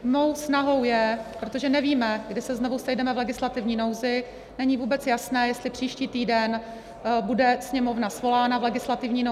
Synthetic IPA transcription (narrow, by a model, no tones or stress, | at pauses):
mo̞wsnaɦo̞wjɛpɾo̞t̪o̞ʒɛnɛviːmɛɡdɪsɛznovusɛjdɛmɛvlɛɡɪslat̪ɪvɲiːno̞wzɪ | nɛɲɪvuːbɛt͡sjasnɛːjɛst̪lɪpr̝̥iːʃciːt̪iːdɛn | budɛsɲɛmo̞vnasvo̞laːnavlɛɡɪslat̪ɪvɲiːno